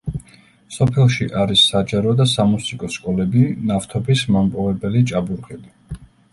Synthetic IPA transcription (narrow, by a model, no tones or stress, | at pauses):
sɔpʰɛlˠʃiʔaɾisːad͡ʒaɾɔd̪asamusikʼɔskʼɔlɛbinaft̪ʰɔbismampʼɔvɛbɛlit͡ʃʼabuɾqʼɛbi